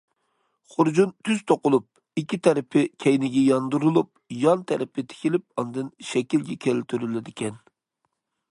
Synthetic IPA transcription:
χʊɾd͡ʒunt̪ʰyz̥t̪ʰoqʊlˠup̚ | ikʲʰːit̪ʰɛɾɪpʰɪkʲʰɛjnɪɡʲɛjɑnd̪uɾulˠup̚jɑnt̪ʰɛɾɪpɪt̪ʰɪ̥kʲilɪp̚ɑnd̪ɨnʃɛkʲilɡʲɛkʲʰɛlt̪ʰyɾylɪd̪ɪkʲʰɛn

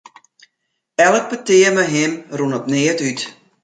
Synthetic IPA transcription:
ɛlək̚pətɪəməɦɪmrunɔpnɪətyt

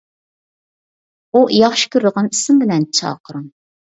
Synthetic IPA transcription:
uʔjɑχʃi̥kʲʰyɾd̪əʁɑnisɪmbɪlɛnt͡ʃʰɑ̰ːqʰəɾɨŋ

